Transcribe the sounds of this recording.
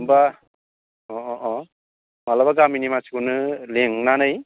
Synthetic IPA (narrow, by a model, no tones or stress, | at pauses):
mba | ɔɔʔɔ | malabaɡaminimasikunɯleŋnanɯj